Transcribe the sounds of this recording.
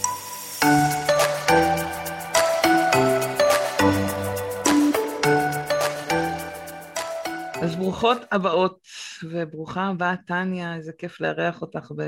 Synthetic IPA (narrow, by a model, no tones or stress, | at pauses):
ʔazbʁuχo̞tabao̞tvebʁuχabatanjazekefleaʁeaχo̞taχbe